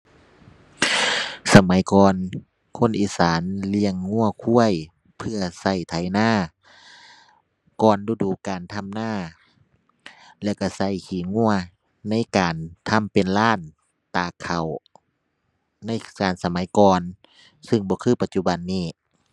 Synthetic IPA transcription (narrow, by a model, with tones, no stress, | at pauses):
sa˧ma˨˦jkɔː˨n | kʰo˧˥˨nʔiː˨˧saː˨˦nli˧əŋːu˧˥˨ɐkʰu˧˥əj | pʰɯ˧ɐsa˧˩jt̪ʰa˨˦jnaː˧˥˨ | kɔː˨nduː˧˩duː˨˦kaː˨nt̪ʰa˧˥˨mnaː˧˥˩ | lɛ˧˩wka˧˩sa˧˩˨jkʰiː˨˦ŋu˧˩˨ɐ | na˧˥˨jkaː˨nt̪ʰa˧˥˨mpe˨nlaː˧˥˩n | t̪aː˨˩kʰa˨˩w | na˧˥˨jkaː˨˩nsa˧ma˨˦jkɔː˨n | sɯ˧˨ŋbɔː˧˦kʰɯː˧˩pa˧t̪̚t͡ɕu˧˩ba˨nːiː˧˩